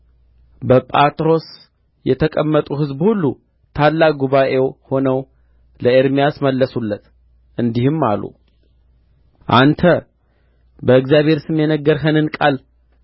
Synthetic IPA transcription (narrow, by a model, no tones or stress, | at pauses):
bəpʼat̪ʼɾo̞s | jɛt̪ʰəkʼəmːət̪ʼuɦɨzbhulːu | t̪ʰalːaɡuβaʔe̞who̞nəw | ləeɾmijasməlːəsulːət̪ | ʔɨnd̪ihɨmːalṵ | ʔant̪ʰə | bəɨɡzjaβhe̞ɾsɨmjɛnəɡːəɾɦənɨnkʼal